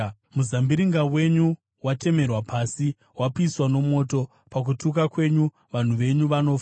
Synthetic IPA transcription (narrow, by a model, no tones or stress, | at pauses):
muzambiɾiŋɡawe̞ɲu | wate̞me̞rwapaːsi | wapiswano̞mo̞ːto̞ | pak̬utuk̬akwe̞ɲu | ʋan̤uʋe̞ɲuʋano̞f